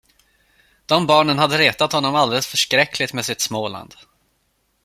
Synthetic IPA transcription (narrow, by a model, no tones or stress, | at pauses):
d̪̥ɔmbɑːɳənhad̪ːəɾeːt̪at̪hɔnːɔmald̪ɛləsfœʂkɾɛkʰːlɪt̪meːsɪt̪smoːla̰nd̪̥